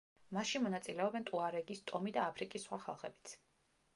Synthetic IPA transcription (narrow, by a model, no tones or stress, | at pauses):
masʃimɔnat̪sʼilɛɔbɛnt̪ʼuaɾɛɡist̪ʼɔmid̪aːpʰɾikʼisːχwaχa̰lˠχɛbi̥t̪sʰ